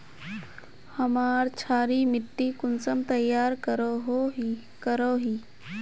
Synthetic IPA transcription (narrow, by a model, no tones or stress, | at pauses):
hɐmaːɾt͡ʃʰaːɾimɪʈːikʊnsəmt̪ɐjːaːɾkəɾɦ | kəɾoɦiː